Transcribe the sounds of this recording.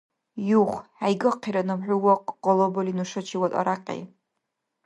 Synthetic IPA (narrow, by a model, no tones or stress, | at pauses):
juχʷajɡɐqʰiɾɐnɐmħʷʊwɔqqɔlobɐlinuʂɐt͡ʃʰiwɐtʼɐ̰ɾaqʼḛː